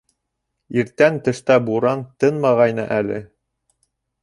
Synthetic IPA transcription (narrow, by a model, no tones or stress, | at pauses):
iɾt̪ænt̪ɘ̆ʃt̪æbuɾɑnt̪ɤnmɑʁɑjnɤʔælɘ̰